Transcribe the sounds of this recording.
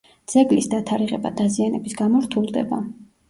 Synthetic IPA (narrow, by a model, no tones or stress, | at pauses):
d̪z̥ɛɡlisd̪at̪ʰaɾiʁɛba̰d̪azianɛbisɡamɔɾt̪ʰulˠd̪ɛ̰ba̰